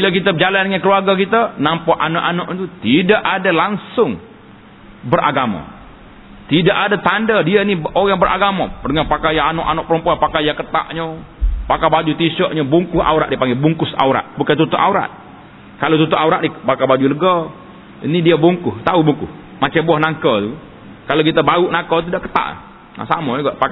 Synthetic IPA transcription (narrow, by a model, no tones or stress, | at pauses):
bilakit̪əd͡ʒaladəŋankəluarɡakit̪anampɔʔanɔʔanɔʔɲt̪ut̪idaʔadalaŋsʊŋ | bəɾʔa̰ɡama̰ | t̪idaʔadat̪andadianioɣaŋbəɾʔa̰ɡamadəŋanpakajaanɔʔanɔʔpəɾəmpuapakajakət̪a̰ʔɲəpakabad͡ʒut̪iʃɔʔɲabuŋkʊha̰uɾa̰ʔdipaŋɡɛbuŋkʊsa̰uɾa̰ʔ̪̚bukant̪ut̪ʊʔauɾa̰t̪̚ | kalot̪ut̪uʔauɾaʔnɪhbakabad͡ʒuləɡɔ | inidiabuŋkʊht̪aubuŋkʊh | mat͡ʃabuahnaŋkɔt̪u | kalokit̪abauʔnakət̪idaʔkə̥t̪a̰ʔ | na̰sa̰mauɡaʔpa